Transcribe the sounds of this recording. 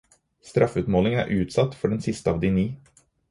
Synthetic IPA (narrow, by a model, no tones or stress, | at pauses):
st̪ɾʔɑfʉːt̪moːlɪŋæ̰ːɾʔʉːt̪sɑt̪ːfɔɖɛnsɪst̪əɑːʋd̪ɪniː